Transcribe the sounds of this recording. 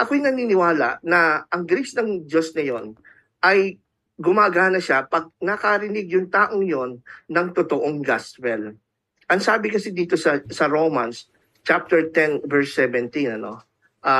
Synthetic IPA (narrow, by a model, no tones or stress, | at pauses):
ʔɐkojnɐniːnɪwaːlɐ̰ʔnɐʔɐŋɡɾisnɐŋd͡ʒosnɐjo̞n | ʔɐj | ɡʊmaːɡanɐʃapɐɡ̚nɐkɐɾɪnɪɡjʊŋt̪aːʔoŋjonːɐŋt̪ot̪oʔoŋɡast̪wɛl | ʔɐŋsaːbɪkɐsid̪iːt̪o̞sɐsɐɾoːmɐns | t͡ʃap̚t̪ɛɹt̪ɛnvɛɹsːɛvɛnt̪inɐno̞ | ʔa